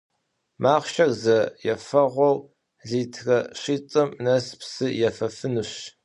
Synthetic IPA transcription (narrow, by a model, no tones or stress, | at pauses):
maːχʃɐrzɐjɛfɐʁʷɔw | ɮiːtʰrɐɕiːt͡sʼɨmnɐspsɨjɛfɐfɨnɨɕ